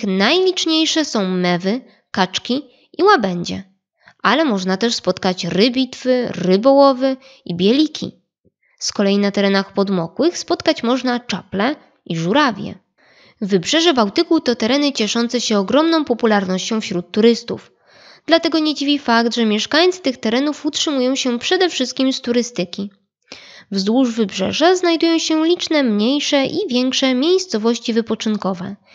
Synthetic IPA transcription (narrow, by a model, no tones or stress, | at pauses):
xnajlʲit͡ʂɲejʂɛsɔ̃w̃mɛvɘ | kat͡ʂkʲi | ʔiwabɛɲd͡ʑɛ̰ | ʔalɛmɔʐnat̪ɛʂspɔt̪kat͡ɕɾɘbʲit̪fɘɾɘbɔwɔvɘ | ibʲjɛlʲikʲʰḭ | skɔlɛjinat̪ɛɾɛnaxpɔd̪mɔkwɘxspɔt̪kat͡ɕmɔʐnat͡ʂaplɛ | iʐuɾavʲjɛ̰ | vːɘbʐɛʐɛbawt̪ɘkut̪ɔt̪ɛɾɛnɘt͡ɕɛʂɔn̪t̪sɛɕɛɔɡɾɔmnɔ̃w̃pɔpulaɾnɔɕt͡ɕɔ̃w̃fɕɾut̪ːuɾɘst̪ṵf | d̪̥lat̪ɛɡɔɲɛd͡ʑivʲifakd̪ʐɛmʲjɛʂkajt̪st̪ɘxt̪ɛɾɛnufutʂɘmujɔ̃w̃ɕɛpʂɛd̪ɛfʂɘst̪̚kʲimst̪uɾɘst̪ɘkʲi | vzwuʐvɘbʐɛ̰ʐaznajd̪ujɔ̃w̃ɕɛlʲit͡ʂnɛmɲejʂɛʔivʲjɛŋkʂɛmʲjejst̪sɔvɔɕt͡ɕivɘpɔt͡ʂɘnkɔvɛ̰